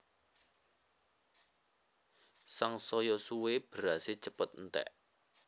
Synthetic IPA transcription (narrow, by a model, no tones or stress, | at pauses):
saŋsɔjɔsuweb̥ɾaset͡ʃəpət̪̚nt̪ɛ̰ʔ